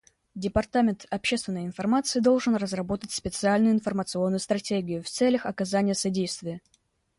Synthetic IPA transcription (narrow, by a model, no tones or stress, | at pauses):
dʲɪpɐrt̪amʲɪnt̪ɐpɕːe̞st̪vʲɪnːəjəɪnfɐrmat̪sɨɪd̪o̞lˠʐɨnrəzrɐbo̞t̪ətʲspʲɪt̪sɨalʲnʊjʊɪnfərmət̪sɨo̞nːʊjʊst̪ɾɐtʲeɡʲɪjʊft̪sɛlʲəxɐkɐzanʲɪjəsɐdʲejst̪vʲɪjə